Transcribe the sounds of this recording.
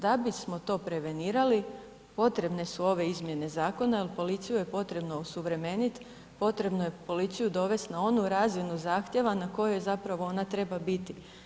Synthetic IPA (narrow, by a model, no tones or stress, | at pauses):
d̪abismo̞t̪o̞ːpɾe̞ʋe̞niːɾali | po̞t̪ɾe̞bne̞suo̞ʋe̞izmje̞ne̞zaːko̞naelpo̞lit̪sijuje̞po̞t̪ɾe̞bno̞osuʋɾe̞me̞nit̪ | po̞t̪ɾe̞bnojepo̞lit̪sijud̪o̞ʋe̞st̪nao̞nuɾaːzinuzaːxt̪je̞ʋanako̞jejzapɾaʋo̞o̞nat̪ɾe̞babit̪i